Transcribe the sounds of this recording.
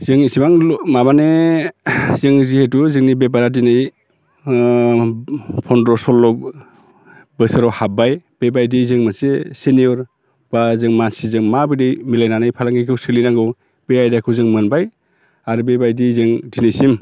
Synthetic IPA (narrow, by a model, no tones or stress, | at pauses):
zɯŋisimaŋmabane | zɯŋzihetuzɯŋnibebaɾadinɯj | pʰɔndɾɔsɔlːɔk̚ | bɯsɯɾɔwhabajb̥ebajdizɯŋmɯnseseniɔɾ | b̥azɯŋmansizɯŋmabɯdɯjmilajnanɯjpʰalaŋɡikʰɯwsɯlinaŋɡɯw | beajdakʰɯwzɯŋmɯnbaj | aɾubebajdizɯŋdinɯjsim